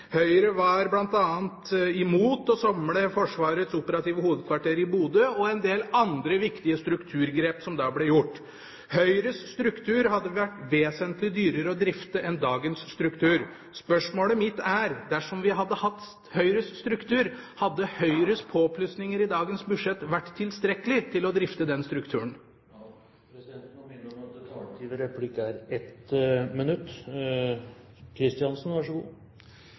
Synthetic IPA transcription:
hœʏɾəʋɑɾblɑnt̪ɑːənt̪ɪmuːt̪ɔsɔmləfɔʂʋɑːɾət̪sʊpəɾɑt̪iːʋəhuːʋəd̪̚kʰʋɑʈʰeːɾɪbuːd̪əɔɛnd̪eːlɑnd̪ɾəʋɪkt̪ɪəst̪ɾʉkt̪ʰʉːɾɡɾeːpsɔmd̪ɑːblɛjʊʈː | hœʏɾəsːt̪ɾʉkt̪ʰʉːɾhɑd̪ːəʋʋæʈːʋeːsənt̪lɪd̪yːɾəɾəɔd̪ɾɪft̪əʔɛnd̪ɑːɡənsːt̪ɾʉkt̪ʰʉːɾ | spœʂmoːləmɪt̪ːæɾd̪æʂɔmʋɪɦɑd̪ːəhɑt̪ː | hœʏɾəsst̪ɾʉkt̪ʰʉːɾhɑd̪ːəhœʏɾəspʰopʰlʉsnɪŋəɾɪd̪ɑːɡənsbʉʂɛt̪ːʋæʈːt̪ʰːɪlst̪ɾɛkəlɪt̪ʰɪlɔd̪ɾɪft̪əd̪ɛnst̪ɾʉkt̪ʰʉːəɳ | t̪ːʋəɾɛpʰlɪkəæɾɛt̪mɛnʉt̪ː | kʰɾɪst̪ɪɑnsnʋɑʂəɡṵː

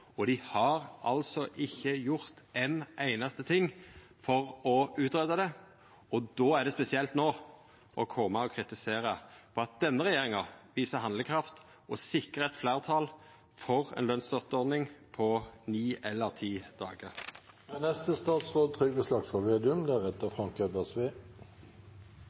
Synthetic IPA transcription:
ɔd̪ɪhɑɾʔɑlsɔʔɪçːəjʊɾt̪enʔæɪnɑst̪ət̪ʰɪŋː | fɔɾɔʉːt̪ɾɛd̪ɑd̪ɛ | ɔd̪oːæʁɖ̪ɛspɛsɪɛlt̪noː | ʔɔkʰɔmːəɔkʰɾɪt̪ɪseːɾəpʰɔɑt̪̚d̪ɛnːəɾɛjeːɾɪŋɑʋiːsəɦɑnd̪ləkʰɾɑft̪ | ʔɔsɪkəʁəɛt̪flæːʁt̪ʰɑːl | fɔʁɛ̰nlœnst̪œʁt̪əɔʁd̪nɪŋpʰɔniːɛlːəʁt̪ʰiːd̪ɑ̰ːɡəʁ | mɛnɛst̪əst̪ɑːt̪sʁoːd̪̚t̪ʰʁʏɡəslɑɡsfɔʋeːd̪ʉmd̪æʁɛt̪ːəfʁɑŋkʰøbəʁsʋeː

